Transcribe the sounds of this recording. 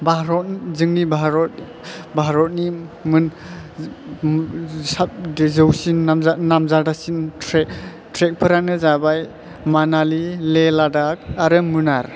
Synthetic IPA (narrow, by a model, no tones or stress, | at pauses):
bʱaɾɔt̚zɯŋnibʱaɾɔt̚ | bʱaɾɔt̚nimɯn | sadezɯwsinːamzanamzadasintɾe | tɾek̚pʰɯɾanɯzabaj | manalileladak̚aɾɯmɯnaɾ